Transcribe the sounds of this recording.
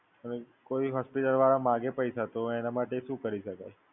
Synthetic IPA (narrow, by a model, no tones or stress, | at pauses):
əne | koiɦɔspiʈəlʋaɾamãɡepəjsat̪oɛnamaʈeʃũkəɾiʃəkaj